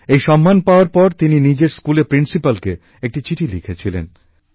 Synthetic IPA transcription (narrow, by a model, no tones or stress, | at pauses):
ejʃɔmːanpaoaɾpɔɾt̪ininid͡ʑeɾskulepɾinsipalke | ek̚ʈit͡ɕiʈʰilikʰet͡ɕʰilḛn